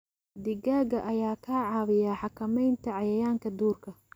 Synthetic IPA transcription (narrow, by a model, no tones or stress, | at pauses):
d̪ɪɡaːɡɐʔɐjaːkʰaːʕɑːβɪjaːħɑkʰɐmɛjnt̪ʰɐʕɑjɐjaːŋkʰɐd̪uːrkʰɐ